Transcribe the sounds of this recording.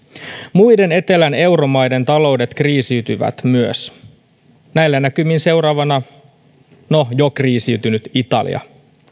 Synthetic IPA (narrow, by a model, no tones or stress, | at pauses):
mujde̞ne̞t̪e̞læne̞wɾo̞mɑjde̞nt̪ɑlo̞wde̞t̪kriːsiɥt̪yʋæ̰t̪myøs | næilːænækymːinse̞wɾɑːʋɑnɑ | nojokriːsiwt̪ynyt̪it̪ɑ̰lḭɑ̰